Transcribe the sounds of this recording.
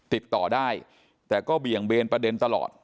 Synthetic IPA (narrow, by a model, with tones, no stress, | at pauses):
t̪i˨˩t̪ːɔː˨˩daː˥˩j | t̪ɛː˨˩kɔː˥˩bi˨˩əŋbeː˧npɾa˧de˧nt̪a˧lɔ̰ː˨˩t̪̚